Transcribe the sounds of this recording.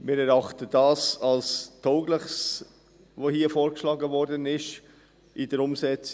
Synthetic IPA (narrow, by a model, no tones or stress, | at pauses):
mɪːɾɛɾɑχtədɑːsɑlstʰoʊɡləχs | vohiːəfoːɾkʃlɑːɡəvɔɾdənɪʃ | idəɾʊmzɛt͡s